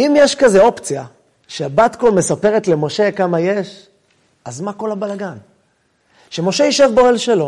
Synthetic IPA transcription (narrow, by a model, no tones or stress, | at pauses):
imjeʃkazeo̞pt͡sija | ʃeabatkolme̞sape̞ʁetle̞mo̞ʃe̞kamaje̞ʃ | azmako̞lhabalaɡan | ʃe̞mo̞ʃe̞iʃevboelʃelo̞